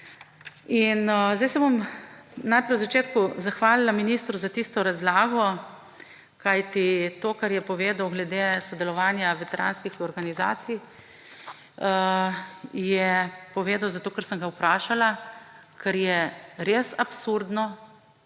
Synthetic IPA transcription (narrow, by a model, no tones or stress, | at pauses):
inzd̪ajsɛbomnajpɾɛjwzat͡ʃeːt̪kuzaxʋaːlilaminist̪ɾuzat̪ist̪ɔɾazlaːɡɔ | kajt̪it̪oːkaɾjɛpɔʋeːd̪awɡlɛd̪esɔd̪ɛlɔʋaːnjaʋɛt̪ɛɾa̰ːnskixɔɾɡaniza̰ːt̪sij | jɛpɔʋeːd̪awzat̪oːkaɾsəŋɡauwpɾaːʃalakɛɾjɛɾesapsuɾd̪nɔ